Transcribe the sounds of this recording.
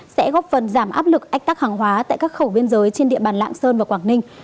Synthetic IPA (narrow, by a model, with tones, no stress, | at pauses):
sɛ̰˧˥ɣɔ˦˥p̚fə˨˩nzaː˧˩mʔaː˦˥p̚lɨ˨˩k̚ʔa˧˦˥jk̚t̪aː˦˥k̚haː˨˩ŋɦwaː˨˦t̪a̰ː˧˨jkaː˦˥k̚xə˧˩wɓi˧ənzəː˨˦jt͡ɕe˧nɗḭ˧˨əɓaː˨˩nla̰ː˧˨ŋsəː˧nvaː˨˩kwaː˧˩ŋnï˧ŋ̟